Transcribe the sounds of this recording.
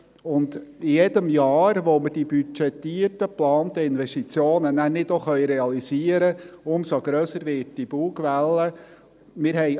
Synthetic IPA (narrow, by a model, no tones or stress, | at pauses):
ʊnd̪ijɛd̪əmjɑːɾʋoməd̥ibyt͡ʃɛt̪ːiːətəplɑːnt̪əɪnvɛstit͡sjoːnənæɾnɪd̪oχœjɾɛɑliziəɾəʊmsoɡ̥ɾøːsəɾʋɪːt̚d̥ib̥uːɡʋælːə | mɪːɾɦɛj